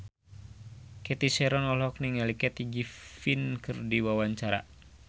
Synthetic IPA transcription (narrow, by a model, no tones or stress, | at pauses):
kɛt̪isɛɾɔnɔlɔk̚niŋalikɛt̪iɡifinkɨrdiwawaɲt͡ʃaɾa̰